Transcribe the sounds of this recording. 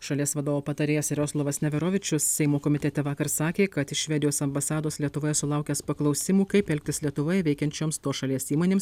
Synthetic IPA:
ʃɐlʲiɛsʋɐd̪oːʋoːpɐt̪ɐɾʲeːjɛsɪɾʲoːslˠoːʋɐsnʲɛʋʲɛɾoːʋʲɪt͡ʃʲʊssʲɛɪmoːkɔmʲɪt̪ʲɛt̪ʲɛʋɑːkɐɾsɑːkʲeːkɐt̪ɪʃʲʋʲɛd̪ʲɪjoːsɐmbɐsɑːd̪oːslʲiɛt̪ʊʋoːjɛsʊlˠɑˑʊkʲɛspɐklˠɐʊsʲɪmuːkɐɪpɛlʲk̚ʲt̪ʲɪslʲiɛt̪ʊʋoːjɛʋʲɛɪkʲɛnʲt͡ʃʲoːmst̪oːʃɐlʲiɛsiːmoːnʲeːms

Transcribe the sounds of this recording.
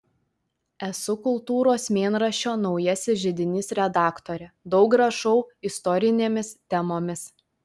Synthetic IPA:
ɛsʊkʊlˠt̪uːɾoːsmʲeːnɾɐʃʲoːnɒʊjɛsʲɪʒʲɪd̪ʲɪnʲɪsɾʲɛd̪ɑːkt̪oːɾʲɛd̪ɒʊkɡɾɐʃɔʊɪst̪ɔɾʲɪnʲeːmʲɪst̪ʲɛmoːmʲɪs

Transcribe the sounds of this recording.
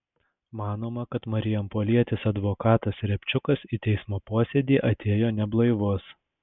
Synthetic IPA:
mɑːnoːmɐkɐt̪mɐɾʲɪjɛmpoːlʲiɛt̪ʲɪsɐd̪ʋoːkɑːt̪ɐsɾʲɛpʲt͡ʃʲʊkɐsit̪ʲɛɪsmoːpoɔsʲɛd̪ʲiːʔɐt̪ʲeːjoːnʲɛblˠɐɪʋoːs

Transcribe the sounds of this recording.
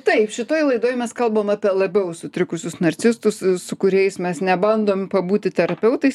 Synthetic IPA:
t̪ɐɪpʃʲɪt̪oːjlˠɐɪd̪oːjmʲɛskɐlˠbɐmɐːpʲiɛlˠɐbʲɛʊsʊt̪ʲɾʲɪkʊsʲʊsnɐɾʲt͡s̪ʲɪst̪ʊssʊkʊɾʲɛɪsmʲɛsnʲɛbɐnd̪oːmpɐbuːt̪ʲɪt̪ʲɛɾɐpʲɛʊt̪ɐɪs

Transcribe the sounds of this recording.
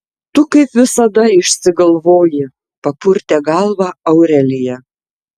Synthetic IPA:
t̪ʊkɐɪpʋʲɪsɐd̪ɐɪʃʲsʲɪɡɐlˠʋoːjɪ | pɐpʊɾʲt̪ʲɛːɡɑlˠʋɑɐʊɾʲɛlʲɪjɛ

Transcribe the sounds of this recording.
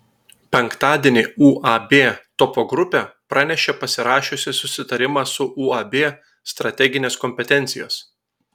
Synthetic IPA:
pʲɛŋˑkt̪ɑːd̪ʲeːnʲɪuːʔɑbʲeːt̪ɔpoɡɾʊpʲeːpɾɑnʲɛʃʲeːpɐsʲɪɾɑːʃʲʊsʲɪsʊsʲɪt̪ɐɾʲɪmɑːsʊʔuːɐbʲeː | st̪ɾɐt̪ʲɛɡʲɪnʲeːskɔmʲpʲɛt̪ʲɛnʲt̪sʲɪjo̰ːs

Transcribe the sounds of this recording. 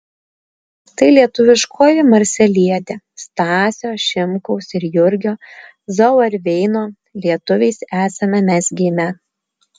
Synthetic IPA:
t̪ɐɪlʲiɛt̪ʊʋʲɪʃkʰoːjɪmɐɾʲsʲɛlʲiɛt̪ʲeː | st̪ɑːsʲoːʃʲɪmkɔʊsɪɾjʊɾʲɡʲoː | zɔʊɐɾʲʋʲɛɪnoː | lʲiɛt̪ʊʋʲɛɪsæːsɐmʲɛmʲæsʲɡʲiːmʲɛ

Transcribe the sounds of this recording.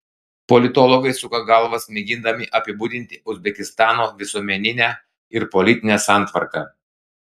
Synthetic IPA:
pɔlʲɪt̪ɔlˠɔɡɐɪsʊkɐɡɐlˠʋɐsmʲɛɡʲɪnd̪ɐmʲɪʔɐpʲɪbuːd̪ʲɪnʲt̪ʲɪʊzʲbʲɛkʲɪst̪ɑːnoːʋʲɪsuɔmʲɛnʲɪnʲæ | ɪɾpɔlʲɪt̪ʲɪnʲɛsɑˑnˑt̪ʋɐɾkɑ

